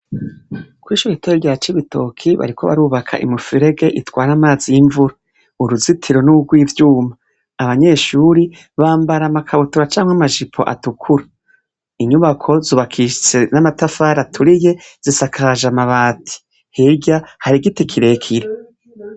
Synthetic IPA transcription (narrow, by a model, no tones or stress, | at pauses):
kwiːʃuɾiteiɾjat͡ʃiβitʰo̞kʰiβa̰ɾikʰo̞βa̰ɾuːβakʰa̰ʔḭmufiɾe̞ɡe̞ʔitwaːɾamaːzijiɱvuɾa | uɾuzitʰiɾo̞nuuɡwiːvjuːmaː | βaɲe̞ːʃuːɾi | βaːmbaɾamakʰaβotuɾat͡ʃaːmwamaʒipʰo̞̰ʔa̰tukʰuɾa | iɲuβakʰo̞zuːβakʰiʃt͡se̞namatafaːɾatʰuɾije̞z̥isakʰaʒamaβaːtʰi̥ | heɟahaɾiɡitikʰiɾe̞kʰiɾe